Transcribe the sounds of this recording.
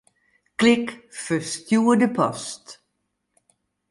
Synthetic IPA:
klɪkfəstjuːədəpʰɔst

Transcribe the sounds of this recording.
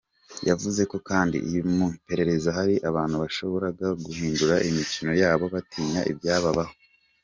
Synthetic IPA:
javuze̞ko̞kaːndḭʔḭjumupe̞ɾe̞ɾe̞zaɦaɾiʔaβaːn̥huβaʃo̞βo̞ɾaɡaɡuhiːnduɾaʔimicino̞jaːβo̞βatʰiːɲaʔḭbɟaːβaβaho

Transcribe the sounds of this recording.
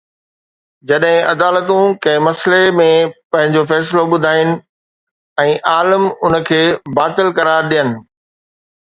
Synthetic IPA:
d͡ʑɐɗɦɪ̃ʔɐd̪aːlət̪ũkɐ̃ɦɪ̃mɐslemẽpɐ̃ɦɪ̃ɲd͡ʑofɛːs̬loɓʊd̪ʱaːɪnɪ̆ | ɛ̃ːʔaːləmʊnə̆kʰeːbaːt̪ɪlkɐɾaːɾɗijənɪ̆

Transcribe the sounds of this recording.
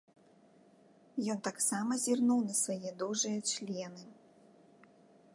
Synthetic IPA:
jɔnt̪aksamɐzʲirnuwnɐsvajɛd̪uʐɨjɐt͡ʂlʲɛnɨ

